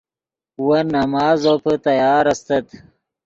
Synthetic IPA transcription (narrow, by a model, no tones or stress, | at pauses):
wɐnɐmɑːzopət̪ɐjɑːɾɐst̪ɐt̪